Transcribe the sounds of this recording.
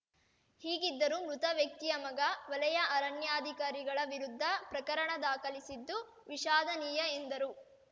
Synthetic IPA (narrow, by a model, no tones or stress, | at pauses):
hiːɡid̪ːɐɾumɾut̪ɐʋjɐk̚t̪ijɐmɐɡɐʋɐlɐjɐʔɐɾɐnjaːd̪ʱikaːɾiɡɐɭɐʋiɾud̪ʱːɐpɾɐkɐɾɐɳɐd̪aːkɐlisid̪ːu | ʋiʃaːd̪ʱɐniːjɐend̪ɐɾu